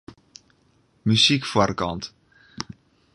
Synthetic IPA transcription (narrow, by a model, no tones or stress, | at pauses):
mysikfarkɑ̰nt